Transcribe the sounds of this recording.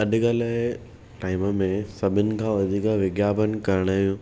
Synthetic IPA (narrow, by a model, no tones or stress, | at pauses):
ɐɗɡalaː | ʈaːɪməmẽsɐbʱɪnɪ̆kʰãːʋɐd̪ʱiːkʋɪɡjaːbənɪ̆kɐɾəɽ̃aːɦjũː